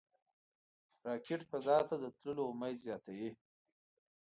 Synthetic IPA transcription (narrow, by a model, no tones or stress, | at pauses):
ɾɑkʰɪʈpazɑt̪ad̪ət̪ləlomajzjɑːt̪awi